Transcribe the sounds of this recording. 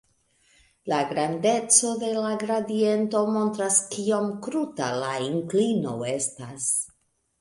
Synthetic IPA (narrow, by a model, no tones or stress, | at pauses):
laɡɾande̞t͡so̞de̞laɡɾadie̞nto̞mo̞nt̪ɾaskiomkɾuta̰laiŋklino̞̰e̞stas